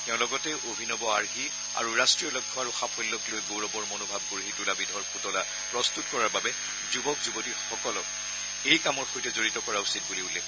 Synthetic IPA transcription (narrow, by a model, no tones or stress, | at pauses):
tɛʊ̃lɔɡɔtɛʔobʱinɔbɔaɹɦi | a̰ɹuɹastɹijɔlɔɡ̚ʰʱɔaɹuxapʰɔlːɔklojɡowɹɔbɔɹmonobʱab̚ɡuɹɦidulabidʱɔɹputɔla | pɹɔstutkɔɹaɹbabɛ | zubɔkzubotixɔkɔlɔk̚ | ejkamɔɹxojtɛzoɹitɔkɔɹausit̚buliulɛ